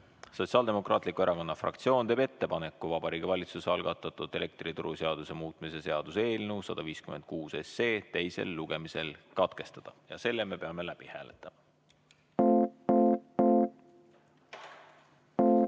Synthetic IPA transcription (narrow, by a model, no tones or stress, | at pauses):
so̞t̪siɑːld̪̥e̞mo̞kˑrɑ̰ːt̪likue̞ɾʔɑko̞nːɑfrɑ̰kt̪sio̞ːnt̪eːbe̞t̪ːe̞pɑnekːuvɑb̥ɑɾiːɡ̥ivɑlʲit̪suseɑlɡ̥ɑt̪ːˑɑt̪ud̪̥e̞le̞k̚t̪rit̪uɾʔuse̞ɑd̪̥use̞muːt̪ˑmise̞se̞ɑd̪̥use̞ːlnewsɑd̪̥ɑviːskyme̞nd̪̚kuːse̞se̞ːt̪e̞jsḛlːuɡ̥e̞mise̞lkɑt̪ke̞st̪ɑd̪̥ɑjɑ̰se̞lːeme̞pe̞ɑme̞læb̥ihæ̰ːlḛt̪ːˑɑmɑ